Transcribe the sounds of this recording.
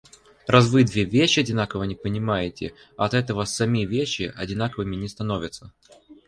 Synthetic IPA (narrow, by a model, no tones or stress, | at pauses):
razvɨd̪vʲevʲeɕːɪɐdʲɪnakəvənʲɪpənʲɪmajɪtʲɪ | ɐt̪ɛt̪əvəsɐmʲivʲeɕːɪʔɐ̰dʲɪn̪akəvɨmʲɪnʲɪst̪ɐno̞vʲɪt̪sə